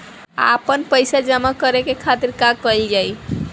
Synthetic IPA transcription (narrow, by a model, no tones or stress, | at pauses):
a̰pənpəjsad͡ʒəmakəɾekekʰat̪iɾkaɡkəjld͡ʒaj